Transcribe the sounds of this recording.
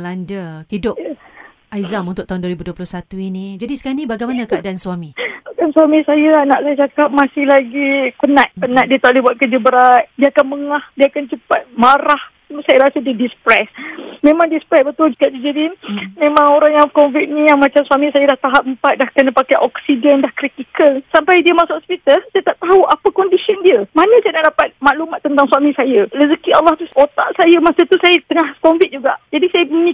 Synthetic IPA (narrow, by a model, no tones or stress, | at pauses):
landəkidʊp | ajzamunt̪ʊk̚t̪aunduəɾibuduəpulʊhsat̪uinid͡ʒadisə̥kanibaɡajmanakəadaʔanswamiadansuamĩsajalanaʔsajat͡ʃakap̚masɪhlaɡipənãt̪̚pənãt̪̚diət̪aʔlibuat̪̚kəd͡ʒəbəɾat̪̚diəakanməŋahdiəakant͡ʃəpat̪̚maɾah | sajaɾasədidispɾɛsmẽmãŋdispɾɛsbət̪ʊld͡ʒukad͡ʒid͡ʒadinmẽmãŋoɾaŋjaŋkɔnvit̪̚ɲə̃jaŋmat͡ʃamsuwamĩsajadaht̪aɦap̚əmpat̪̚dahkənapakajʔɔksidɛndahkɾit̪ikəlsampajdiəmasaɔspit̪alsajət̪aʔ̚t̪aɦuʔapəkɔndisəndiəmanə̃sajənaʔdapat̪̚maʔlumat̪ːənt̪aŋsuwamĩsajəɾəzəkialːaht̪usot̪a̰ʔsajəmasət̪usajət̪əŋahkɔɱvit̪̚d͡ʒuɡaʔd͡ʒadisajəməni